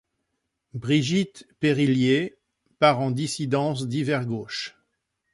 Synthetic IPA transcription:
bʁiʒit̪peʁilje | paʁɑ̃d̪isid̪ɑ̃s̬d̪ivɛʁɡoːʃ

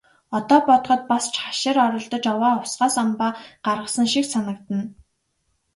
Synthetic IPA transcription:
ɔt̪ɔːpɔt̪ɞ̆χɞ̆t̪̚past͡ɕʰaʃɪ̆ɾɔɾɞ̆ɮt̪ɞ̆t͡ɕawaːʊsɢaːsɔmpaːɢ̥arʁə̆sə̆ŋʃiksanə̆k̚t̪ə̆n

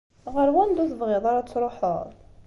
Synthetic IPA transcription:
ʁəɾwænd̪ʊθəvʁɪðˤɑɾɑt͡sːɾˤoħo̰ɾðˤ

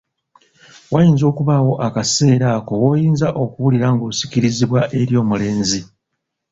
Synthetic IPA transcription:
wajiːnzo̞ːkuβawo̞ʔakase̞ːɾaːko̞wojiːnzaʔo̞kuβuliɾaŋɡoːsi̥kiɾiziβwaʔe̞ɾjo̞ːmule̞ːnzi

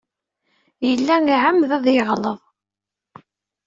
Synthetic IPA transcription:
jəlːæŋiʕamðæðˤjeʁləðˤ

